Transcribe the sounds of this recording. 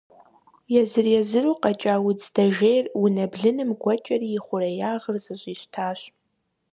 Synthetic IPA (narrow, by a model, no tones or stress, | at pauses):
jɛzɨrjɛzɨruqɐt͡ʃʼaːwʊd͡zʰdɐʒejrunɐbɮɨnɨmɡʷɔt͡ʃʼɐriɪχʷʊrɐjaːʁərzɨɕʼiɕtʰaːɕ